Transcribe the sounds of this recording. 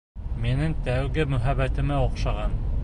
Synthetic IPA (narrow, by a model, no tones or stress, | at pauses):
minɘŋt̪æwɡɘmɵ̆ɦæβæt̪ɘ̆mæoqʃɑʁɑn